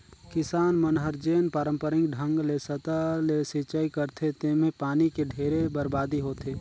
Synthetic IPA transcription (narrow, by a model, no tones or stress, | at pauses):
kɪsaːnmənɦəɾd͡ʒeːnpaːɾə̃mpəɾɪ̃ŋɡɖʱə̃ŋɡlesət̪alesɪt͡ʃaikəɾt̪ʰet̪eːmẽpaːnikeɖʱeːɾebəɾbaːd̪iɦoːt̪ʰeː